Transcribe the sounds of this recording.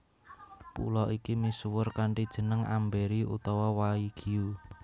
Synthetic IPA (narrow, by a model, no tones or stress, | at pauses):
pṵlɔʔikimiswʊrkaɳʈid̥ʒ̥ə̤nəŋa̰mbeɾiṵt̪ɔwɔwaiɡ̥i̤u